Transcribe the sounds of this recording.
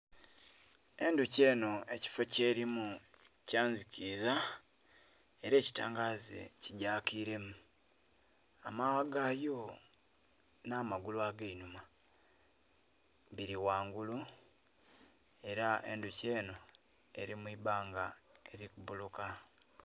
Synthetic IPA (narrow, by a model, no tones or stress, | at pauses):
e̞nduce̞ːno̞e̞ci̥fo̞ce̞ɾimu | caːnzikiːza | e̞ɾe̞ːci̥ta̰ːŋɡaːzḛciɟaːkiːɾe̞mu | amawaɡajo̞ | namaɡulwaɡeinuma | βiɾiwaːŋɡulu | e̞ɾaʔḛnduce̞ːno̞ | e̞ɾimuiβaːŋɡae̞ɾikuβuluka